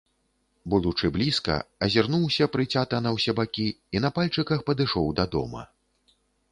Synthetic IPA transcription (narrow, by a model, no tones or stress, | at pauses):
bud̪ut͡ʂɨblʲiskɐ̰ɐzʲɛrnuwsʲɐpɾɨt͡sʲat̪ɐnɐwsʲɛbakʲiːnɐpalʲt͡ʂɨkɐxpɐd̪ɨʂɔwd̪ɐd̪ɔ̰mɐ̰